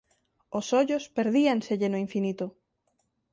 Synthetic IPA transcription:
osɔʎospeɾðiaŋseʎenoiɱfinit̪ʊ

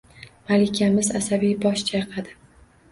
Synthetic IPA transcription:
malɪkʲʰamɪzasabijbɒʃt͡ʃʰajɨqʰad̪ɪ

